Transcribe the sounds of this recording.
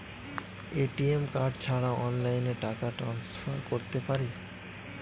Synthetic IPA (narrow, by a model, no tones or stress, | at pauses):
eʈiemkaɖt͡ɕʰaɽaɔnlajneʈakaʈɾansfaɾkoɾt̪epaɾi